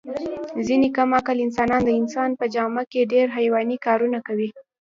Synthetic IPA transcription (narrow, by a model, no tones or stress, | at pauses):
zinekamakalɪnsɑnɑnd̪əɪnsɑnpəd͡ʒɑmakeɖeɾɦajwɑnikɑɾunakawi